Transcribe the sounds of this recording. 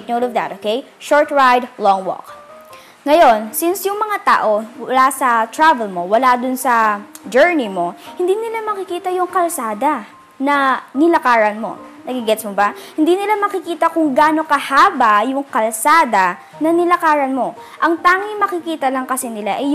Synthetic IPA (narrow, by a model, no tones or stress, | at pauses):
t̪nowd̪ovd̪ɐt̪ʔoːkɛj | ʃoɹt̪ɹajd̪lɔŋwɔ̰k̚ | ŋɐjo̞nsɪnsjʊŋmɐŋat̪a̰ːʔo̞wɐlasɐt̪ɹavɛlmo̞wɐlad̪ʊnsɐd͡ʒɛɹnɪmo̞hɪnd̪inɪlamɐkɪkiːt̪ɐjʊŋkɐlsaːd̪ɐ | nɐnɪlɐkaːɹɐnmo̞̰nɐɡɪɡɛt̪smobɐhɪnd̪iːnɪlamɐkɪkiːt̪ɐkʊŋɡaːno̞kɐhaːbɐjʊŋkɐlsaːd̪ɐ | nɐnɪlɐkaːɹɐnmo̞ʔɐŋt̪aːŋɪŋmɐkɪkiːt̪ɐlɐŋkɐsɛnɪlaʔɛj